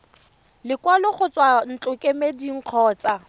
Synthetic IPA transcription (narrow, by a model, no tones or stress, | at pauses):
lɪkwalʊχʊt͡sʼwan̩t͡ɬʼʊkʼemediŋ̩q͡χʰɔːt͡sʼa